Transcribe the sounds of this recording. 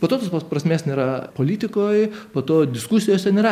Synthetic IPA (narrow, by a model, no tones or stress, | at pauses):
poːt̪oːt̪oːspɐpɾɐsʲmʲeːsnʲeːɾɐpolʲiːt̪ʲɪkoːjpoːt̪oːd̪ʲɪskusʲɪjoːsʲɛnʲeːɾɐ